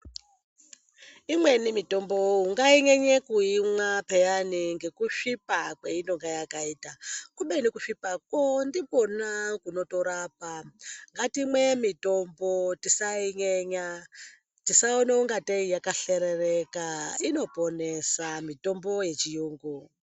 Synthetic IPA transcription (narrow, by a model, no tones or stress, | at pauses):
imwe̞nimito̞mbo̞uŋɡaiɲeɲekuimwapejaniŋɡe̞kuʂipakweinoŋɡajakaiːtakuɓenikuʂipakondibo̞nakuno̞toɾapaŋɡatimwemito̞mbotisaiɲeɲa | tisaoneuŋɡateijakaɬeɾerekaino̞po̞ne̞samito̞mbo̞je̞t͡ʃijuːŋɡu